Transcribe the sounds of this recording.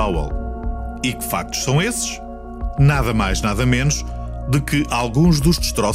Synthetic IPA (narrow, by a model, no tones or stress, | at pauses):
awɛ̰lˠ | ikɨ̥fa̰k̚t̪u̥ʃsɐ̃w̃esɨ̥ʃ | naðɐmajʒnaðɐmenuʃ | d̪ɨkɨʔalˠɣũʒðuʒðɨʃt̪ɾɔ